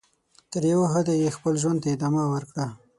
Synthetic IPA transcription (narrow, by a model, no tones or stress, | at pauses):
t̪əɾjawaɦad̪ajexpəlʒwand̪t̪aɪd̪ɑmawəɾkɽa